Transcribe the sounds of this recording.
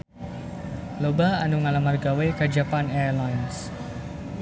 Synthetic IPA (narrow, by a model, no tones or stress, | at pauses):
lobaanuŋalamarɡawekəd͡ʒapanɛrlajns